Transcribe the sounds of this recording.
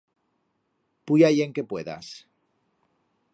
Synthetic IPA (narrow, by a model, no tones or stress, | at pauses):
pujajeŋkepwe̞ða̰s